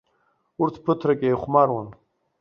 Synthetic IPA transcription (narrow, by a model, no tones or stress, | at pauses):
uɾt̪ʰpʰət̪ʰɾɐkʼejχmaːɾwɐn